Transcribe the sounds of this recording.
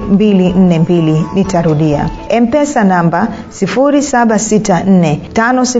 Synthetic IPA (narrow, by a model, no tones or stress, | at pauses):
mbilin̩nɛmbilinitaɾuɗia̰ | ɛm̩pɛsanamba | sifuɾisaɓasitan̩nɛtanɔsi